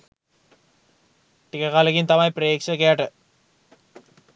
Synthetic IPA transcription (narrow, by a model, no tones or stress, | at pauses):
ʈikːɐkaːlɐkːint̪ɐmaːjpreeːkʂɐkːejaːʈːɨ